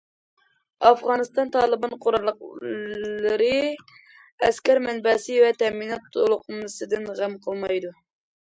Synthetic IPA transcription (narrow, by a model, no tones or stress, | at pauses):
ɑfʁɑnɨst̪ɑnt̪ʰɑːlˠɨbɑnqʰoɾɑlˠːəqː | ɨɾɨ | ɛskʲɛɾmɛnbɛsɨvɛt̪ʰɛminɑt̪ʰːolˠʊqʰmɨsɨd̪ɨnʁæmqʰəlˠmɑjd̪u